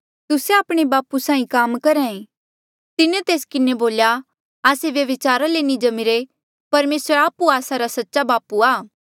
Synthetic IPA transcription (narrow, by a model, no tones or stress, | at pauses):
t̪ʊseaːpɽ̃ebaːpusãːĩkaːmkɐɾɛ̃ːẽ | t̪ɪnẽt̪eːskɪneboːlja | aːseʋjɐʋɪt͡ʃaːɾalenĩd͡ʒɐmɪɾe | pɐɾmeːsəɾaːpuaːsaɾasɐtːʃabaːpuaː